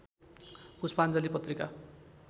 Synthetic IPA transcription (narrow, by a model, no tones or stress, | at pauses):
puspand͡zʌlipʌt̪rika